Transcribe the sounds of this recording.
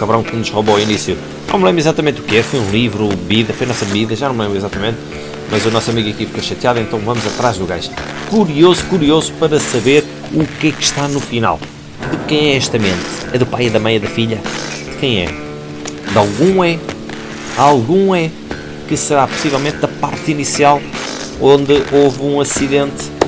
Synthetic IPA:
kɐβɾɐ̃w̃kɨnuʒʁoβoinisju | nɐ̃mlẽmbɾizat̪ɐmẽnt̪ukɛɾfojũlˠivɾuβiðɐfojɐnɔsɐββiðɐʒanɐ̃wmlˠẽmbɾizat̪ɐmẽnt̪ | mɐzunɔsɐmiɣɐkifi̥koʃɐt̪jaðẽnt̪ɐ̃w̃vɐmuzɐt̪ɾaʒd̪uɣa̰jʃ | kuɾiozukuɾiozupɐɾɐsɐβeɾ | ukɛkʃt̪anufina̰lˠ | d̪ɨkɐ̃j̃ɛɛʃt̪ɐmẽnt̪ɨɛðupajɐðɐmɐ̃j̃ɐðɐfiʎɐd̪ɨkɐ̃j̃ɛ̰ | d̪alˠɣũɛ | alˠɣũɛ | kɨsɨɾapu̥sivɛlˠmẽnt̪̚ðɐpaɾt̪inisialˠ | õnd̪ɨʔovũɐsiðẽnt̪

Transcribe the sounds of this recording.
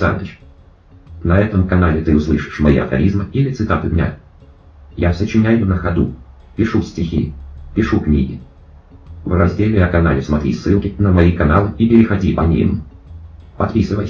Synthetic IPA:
sa̰nd̪ət͡ɕ | nɐɛt̪əmkɐnalʲɪt̪ɨʊslˠɨʂɨ̥ʂmɐḭɐ̰xɐ̰ɾʲizmɨilʲɪt̪sɨt̪at̪ɨd̪ʲnʲa̰ | jasət͡ɕɪnʲæjʊnəxɐd̪ṵ | pʲɪʂufsʲtʲɪxʲipʲɪʂuknʲḭɡʲɪ | vrɐzʲdʲelʲɪɐkɐnalʲɪsmɐt̪ɾʲḭsːɨlˠkʲɪnəmɐikɐnalˠɨipʲɪɾʲɪxɐdʲipɐnʲḭm | pɐt̪pʲisɨvə̰j

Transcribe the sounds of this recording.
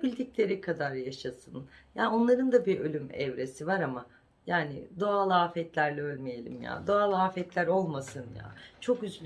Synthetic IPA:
bilʲd̪iclʲe̞ɾikʰad̪aɾjaʃasɯnjaːo̞nlˠaɾɯnd̪abiʔølʲymɛ̰vɾe̞sivaɾama | jaːnɪ̰d̪o̞alˠaːfɛt̪lʲæɾlʲɛø̞lʲmejelʲḭmja̰ːd̪o̞alˠaːfɛt̪lʲæɾo̞lˠmasɯnja̰ːt͡ʃʰo̞kyz

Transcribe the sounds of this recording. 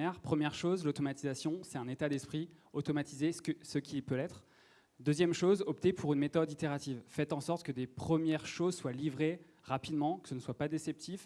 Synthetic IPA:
ɛʁpχəmjɛʁʃozlot̪ɔmat̪izasjɔ̃sɛt̪ɛ̃net̪ad̪ɛspχiot̪ɔmat̪izeskəsəkʲʰilpølɛt̪χ | d̪øzjɛmʃozɔpt̪epʰuʁynmet̪ɔd̪it̪eʁat̪ivfɛt̪ɑ̃sɔʁt̪kəd̪epχəmjɛʁʃozswalivʁe | ʁapid̪mɑ̃kə̥sənəswapad̪esɛp̚t̪if

